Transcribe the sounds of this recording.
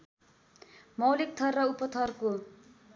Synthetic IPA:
mʌwlik̚t̪ʰʌrːʌupʌt̪ʰʌrko

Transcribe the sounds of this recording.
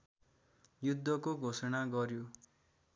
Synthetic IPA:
jud̪ʱːʌkoɡʱosʌnaɡʌɾjo

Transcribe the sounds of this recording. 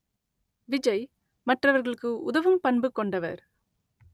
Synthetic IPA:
ʋɪd͡ʒɐɪ | mɐʈrɐʋɐɾɣɐɭɯkːɯʊðɐʋɯmpɐɳbɯkːɔɳɖɐʋɐ̰ɾ

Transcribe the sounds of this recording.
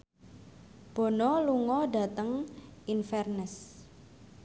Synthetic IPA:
b̥ɔ̤nɔluŋɔɖa̤t̪əŋʔinfɛrnəs

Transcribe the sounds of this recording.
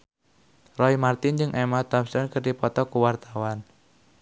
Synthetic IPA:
rɔimart̪ɪnd͡ʒɨŋʔɛmad̪apsɛnkərdipɔt̪ɔkuwart̪awan

